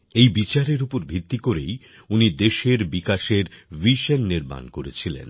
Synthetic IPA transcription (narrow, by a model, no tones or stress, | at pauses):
ejbit͡ɕaɾeɾupoɾbʱit̪ːikoɾej | unid̪eʃeɾbikaʃeɾviʃənːiɾma̰nkoɾet͡ɕʰilḛn